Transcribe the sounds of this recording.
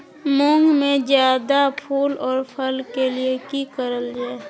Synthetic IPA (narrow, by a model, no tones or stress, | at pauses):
mõŋɡmẽd͡ʒjaːd̪apʰuːlɔːɾpʰəlkeliekikəɾəld͡ʒaːe